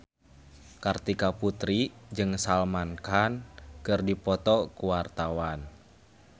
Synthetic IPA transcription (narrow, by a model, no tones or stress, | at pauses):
kart̪ikaput̪ɾid͡ʒɨŋsalmankankɨrdipɔt̪ɔkuwart̪awan